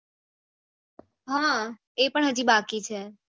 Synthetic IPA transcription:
ɦã | epəɳɦəd͡ʒibakit͡ʃʰe

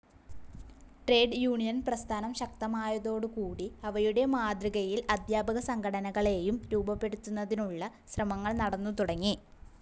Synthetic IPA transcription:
ʈre̞ːɖjuːɳijɐnprɐst̪ʰaːnɐmɕɐk̚t̪ɐmaːjɐðo̞ːɽɨkuːɽiɐʋɐjuɽe̞maːd̪riɣɐjilɐd̪jaːbʱɐɣɐsɐŋɡʰʱɐɽɐnɐɣɐɭe̞ːjumɾuːbɐpːe̞ɽut̪ːunːɐðinuɭːɐɕrɐmɐŋːɐɭnɐɽɐnːut̪uɽɐŋːi

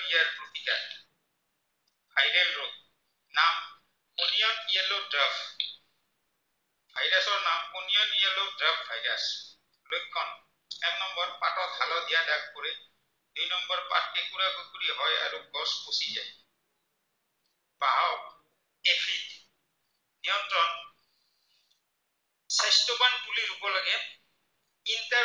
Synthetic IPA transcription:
ijaɹpɹot̪ika̰ | bajɾanɹɔk̚ | nam | unijɔnijɛlodɾab | bʱajɾasɔɹnamunijɔnijɛlodɹabvʱajɾas | lojkʰːɔn | ɛknɔmbɔɹpatɔk̪ʰalɔd̪ijadak̚koɾe | dujnɔmbɔɹpa̰tʰkɛkuɾaɡokuɾiɦɔja̰ɹuɡɔskosizaj | b̥aw | epʰit | nijɔntɹɔn | sajstobankuliɾubɔlaɡɛ | inta

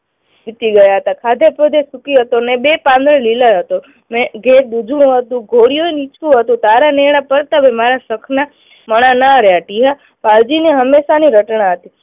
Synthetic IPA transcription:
ʋit̪iɡəjaɦət̪akʰad̪ʱepɾod̪esukiɦət̪onebepãnd̪ɾəlilaɦət̪o | mẽɡʱet̪̚d̪ud͡ʒɽ̃ũɦət̪ũɡʱoɽijoenit͡ʃkũɦət̪ũt̪aɾaneɽ̃apəɾt̪abemaɾasəkʰna | məɽ̃anaɾjaʈiɦa | pald͡ʒineɦəmːeʃaniɾəʈnaɦət̪i

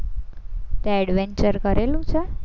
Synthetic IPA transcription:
t̪eɛɽʋeɲt͡ʃəɾkəɾelũt͡ʃʰe

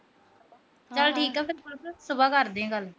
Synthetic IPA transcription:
t͡ʃəlʈʰiːkɛːpʰɪɾolpʰɾsʊbaːkəɾd̪ẽːɡəl

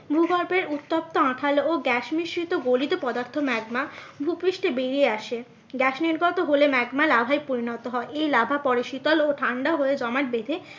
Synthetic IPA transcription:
bʱuɡɔɾpeɾut̪ːop̚t̪oãʈʰaloɡɛʃmiʃɾit̪oɡolid̪opɔd̪aɾt̪ʰomɛɡmabʱupɾiʃʈebeɾieaʃe | ɡɛʃniɾɡɔt̪oɦolemɛɡmalabʱajpoɾinɔt̪oɦɔeejlabʱapɔɽeʃit̪oloʈʰaɳɖaɦoed͡ʑɔmaʈ̚bed̪ʱe

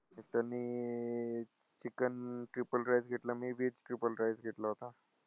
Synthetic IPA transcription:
et̪əniː | t͡ɕikənʈɾipəlɾajd͡zɡʱeʈləmiːʋid͡zʈɾipəlɾajd͡zɡʱeʈləɦot̪a

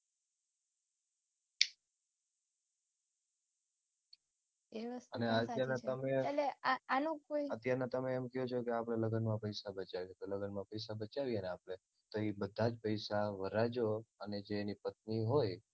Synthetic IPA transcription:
eəsəneət̪jaɾnaəmẽeleaanokojət̪jaɾnat̪əmeːmkɛjot͡ʃʰokeapɽ̃eləɡənmãpəjsabət͡ʃaʋit̪oləɡənmãpəjs̬abət͡ʃaʋiəneapɽ̃e | t̪oibəd̪ʱːad͡ʒpəjsaʋəɾad͡ʒoəned͡ʒeːnipət̪̚niɦoj

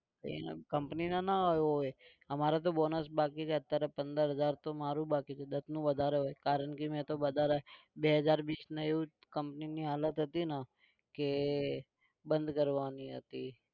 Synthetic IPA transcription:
ḛkəmpninanaɦoj | əmaɾat̪̬obɔnəsbakit͡ʃʰeət̪ːjaɾepə̃nd̪əɾɦəd͡ʒaɾt̪omaɾũbakit͡ʃʰed̪ət̪ʰnũʋəd̪ʱaɾeɦojkaɾəɳkimɛ̃t̪oʋəd̪ʱaɾaɦe | beɦəd͡ʒaɾʋiːsneeʋũ | kəmpniniɦalət̪ɦət̪ina | ke | bə̃nd̪kəɾʋaniɦə̰t̪i

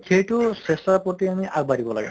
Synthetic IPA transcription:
kʰejtʊsesapotiamiʔaɡ̚badʱibɔla̰ɡɛ

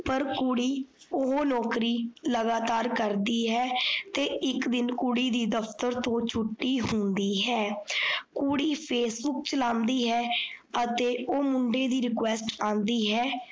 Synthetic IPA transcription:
pəɾkʊɽiː | ʊɦoːnɔːkɾiːləɡaːt̪aːɾkəɾd̪iːɦɛːt̪eːɪkd̪ɪnkʊɽiːd̪iːd̪əpʰt̪əɾt̪õːt͡ʃʰʊʈːiːɦʊnd̪iːɦɛːkuɽiːpʰeːsbʊk̚t͡ʃəlãːnd̪iːɦɛːət̪eːʔoːmʊɳɖeːd̪iːɾɪkwɛːsʈãːnd̪iːɦɛː

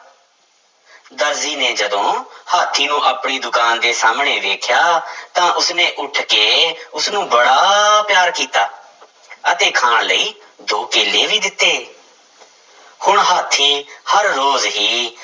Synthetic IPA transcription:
d̪əɾziːneːd͡ʒəd̪õːhaːt̪ʰiːnũːʔəːpɳiːd̪ʊkaːnd̪eːsaːmɳeːʋeːkʰjaːt̪ãːʔʊsneːʔʊʈʰkeːʊsnũːbəɽaːpjaːɾkiːt̪aː | ət̪eːkʰaːɳləiː | d̪oːkeːlːeːʋiːd̪ɪt̪ːeː | hʊɳɦaːt̪ʰiːhəɾːoːzɦiː

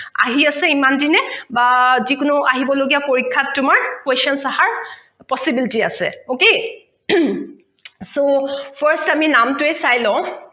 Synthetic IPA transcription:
a̰ɦiasɛimandinɛbazikʊnʊaɦibɔloɡiapoɹikʰːatːʊmaɹkweʃɔnsahaɹ | pɔsibilitia̰sɛ̰okej | sopʰaɹstaminamtʊɛsajlɔ̃ʊ̃

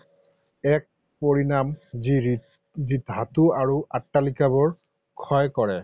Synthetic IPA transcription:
ɛk̚ | poɹinam | zidʱatuaɹuʔatːalikabɔɹ | kʰɔjkɔɹɛ

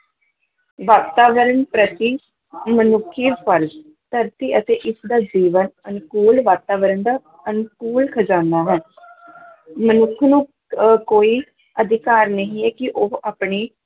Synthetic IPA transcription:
ʋaːt̪aːʋəɾənpɾət̪iː | mənʊkʰːiːpʰəɾz | t̪əɾt̪iːʔət̪eːʔɪsd̪aːd͡ʒiːʋənənkuːlʋaːt̪aːʋəɾənd̪aː | ənkuːlkʰəd͡ʒãːnd̪aːɦɛː | mənʊkʰnũː | koːiː | əd̪ʱɪkaːɾnəɦĩːɛːkɪʔoaːpɳiː

